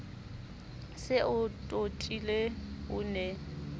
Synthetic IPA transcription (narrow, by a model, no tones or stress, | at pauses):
sɪʊtʼotʼileʊːnɛ